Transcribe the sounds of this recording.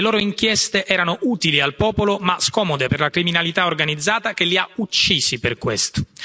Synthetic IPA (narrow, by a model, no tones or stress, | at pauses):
eloːɾoiŋkjɛst̪eʔɛːɾanoʔuːt̪ilialpɔːpolomaskɔːmod̪eperlakɾiminalit̪aorɡanid̪zːaːt̪ak̟elːiaut͡ʃːiːsiperkwḛst̪o